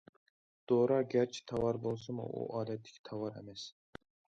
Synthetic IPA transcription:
d̪̥oɾɑɡʲæɾt͡ʃʰi̥t̪ʰɑwɑɾbolˠsɨmṵʔṵʔɑːd̪ɛt̪ʰːɪ̥kʲʰt̪ʰɑwɑɾḛmɛs

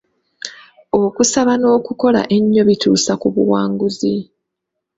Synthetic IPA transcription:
o̞kusaβano̞ːkuko̞la̰ʔe̞ɲːo̞βituːsakuβṵwaːŋɡuzi

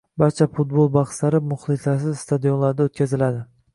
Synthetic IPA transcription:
baɾt͡ʃʰafʊt̪̚bolˠbɑχslaɾɪmʊχlˠɪsas̬ɪzst̪ʰad̪ijonlaɾd̪aot̪̚kʲazɪlad̪ɪ

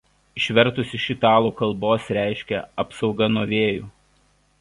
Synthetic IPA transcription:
ɪʃʲʋʲɛɾt̪ʊsʲɪʃʲɪt̪ɑːlˠuːkɐlˠˑboːsɾʲæˑɪʃʲkʲɛɐpsɒʊɡɐnoːʋʲeːjṵː

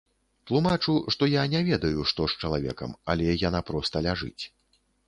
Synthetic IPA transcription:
t̪lˠumat͡ʂuʂt̪ɔjanʲɛvʲɛd̪ɐjuʂt̪ɔʂt͡ʂɐlˠavʲɛ̰kɐ̰mɐlʲɛjanapɾɔst̪ɐlʲaʐɨ̰t͡sʲ

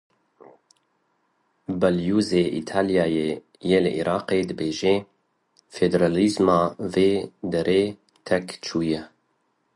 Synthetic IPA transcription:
bɛljuːzeːʔḭt̪ʰaːljɑːjeː | jelɨʔḭɾʔɑːqeːd̪ɨbeːʒeː | fed̪eɾalizmɑːveːd̪ɛɾʔeː | t̪ʰɛkt͡ʃʰuːjɛ

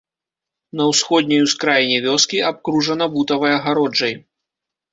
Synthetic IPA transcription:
nɐwsxɔd̪ʲnʲɐjuskɾajnʲɛvʲɔskʲiap̚kɾuʐɐnɐbut̪ɐvɐjɐɣaɾɔd͡ʐɐj

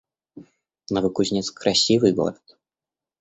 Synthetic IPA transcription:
nɐvɨkuzʲnʲɛt̪skɾʔasʲivɨjɡo̰ɾɐt̪̚

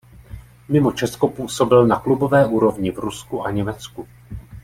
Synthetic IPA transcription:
mɪmo̞t͡ʃɛsko̞puːso̞bɪlnaklubo̞vɛːʔuːɾo̞vɲɪvɾuskuʔaɲɛmɛt͡sku

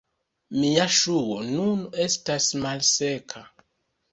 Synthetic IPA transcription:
miaʃuonune̞stasmalsekʰa

